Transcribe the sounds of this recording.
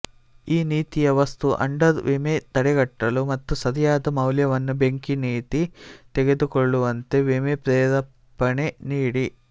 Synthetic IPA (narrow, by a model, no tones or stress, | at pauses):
iːniːt̪ijɐʋɐst̪uʔɐ̰ɳɖɐɾʋimet̪ɐɽɛɡɐʈːɐlumɐt̪ːusɐd̪ijaːd̪ɐmɐwljɐʋɐnːubeŋkiniːt̪it̪eɡe̞d̪ukoɭːuʋɐnt̪e̞ʋimepɾɛːɾɐ | pːɐneniːɽi